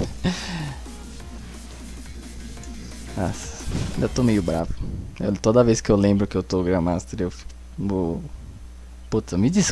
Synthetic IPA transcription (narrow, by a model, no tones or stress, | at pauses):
asẽd̪ɐt̪omejʊbɾavʊḛwt̪od̪ɐvejskɪewlẽbɾʊkɪewt̪oɡɾɐ̃mat̪eɾewfi̥ | o | put̪sɐmɪd͡ʒis